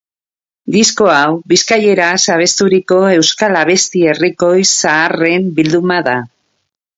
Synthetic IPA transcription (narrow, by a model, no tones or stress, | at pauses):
d̪isko̞awbiskaje̞ɾasaβ̞e̞st̪uɾiko̞e̞wskalaβe̞st̪ie̞riko̞jsaːre̞mbild̪umaða